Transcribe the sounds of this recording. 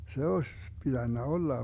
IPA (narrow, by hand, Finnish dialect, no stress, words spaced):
se osʲ pid̥ænːæ olːɑ